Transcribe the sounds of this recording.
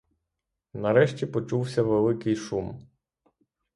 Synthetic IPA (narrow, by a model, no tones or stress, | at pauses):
nɐɾɛʃt͡ʃʲipɔt͡ʃuwsʲɐʋelˠɪkɪjʃum